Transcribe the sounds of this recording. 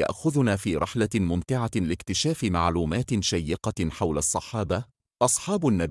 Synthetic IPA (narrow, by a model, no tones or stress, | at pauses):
a̰ʔxʊðʊnaːfiːɾˤɑħlamʊmt̪ɪʕalɪkt̪ɪʃaːfɪmaʕluːmaːt̪ʃajːɪqɑħawlasˤːɑħɑːba | ʔɑsˤħɑːbʊnːab